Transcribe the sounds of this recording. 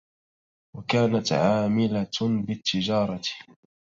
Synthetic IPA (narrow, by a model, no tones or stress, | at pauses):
wakaːnat̪ʕaːmɪlabɪt̪ːɪd͡ʒɑːɾˤɑ̥